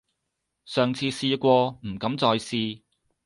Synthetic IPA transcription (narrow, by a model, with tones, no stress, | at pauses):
sœː˨ŋt͡sʰiː˧siː˧kʷɔː˧m̩˨˩kɐ˨˧˥mt͡sɔː˧jsiː˧